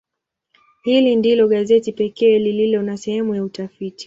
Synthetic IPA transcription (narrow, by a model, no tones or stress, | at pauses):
hilindilɔɠazɛtipɛkɛːlililɔnasɛhɛmujautafiti̥